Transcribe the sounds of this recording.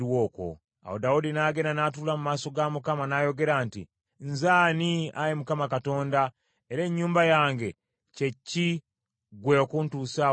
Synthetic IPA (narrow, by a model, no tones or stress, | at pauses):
ɾwoːko̰ | a̰wodaudinaːɡe̞nanatulamumaːso̞ɡamukamanaːjo̞ɡe̞ɾaːntḭ | nzaːnia̰jemukamakato̞ːnda | eɾe̞ɲːuːmbajaːŋɡe̞ | ce̞ci | ɡweokuntuːsa